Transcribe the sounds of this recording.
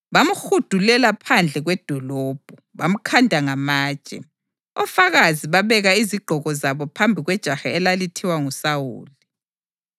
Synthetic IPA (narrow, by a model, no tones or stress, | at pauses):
βamuxud̥ʱulɛlapʰand͡ɮʱɛɣwɛd̥ʱɔlɔːb̥ʱɔβam̩kʰandʱaŋamaːd̥t͡ʃʒ̥ʼɛ̰ | ɔfaɣaziβaβɛɣaiziɡ͡ǃʱɔɣɔzaβɔpʰambʱiɣwɛd̥ʒ̥ʱaxɛɛlalitʰiwaŋusawṵːli